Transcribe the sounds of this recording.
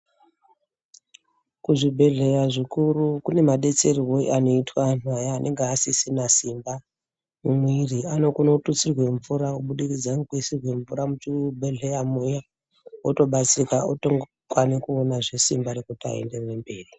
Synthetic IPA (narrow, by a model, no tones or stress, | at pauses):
kuʐibʱe̞ɮe̞jaʐikuɾukune̞maɗe̞t͡se̞riwoḭʔano̞itwanajaːnʔe̞ŋɡeasisinasimba | mumwiriano̞kuno̞tut͡sirwe̞ɱvuɾakuɓuɗikid͡zaŋkuisirwe̞ɱvuɾamut͡ʃibʱe̞ɮe̞jamuja | oto̞ɓat͡sikaotoŋɡ | kwanikuonaʐe̞simbaɾekutia̰ḛnde̞rrembe̞ːri